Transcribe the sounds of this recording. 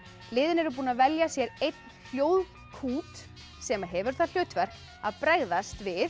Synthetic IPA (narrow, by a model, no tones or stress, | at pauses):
lɪːðɪnɛɾʏp̬uːnavɛljasjɛɾejt̪nfjoːwð | kʰuːt̪ | sɛmaɦɛvʏɾ̥θaðl̥jœːɥt̪vɛr̥k | aðpɾɛɣðast̪vɪð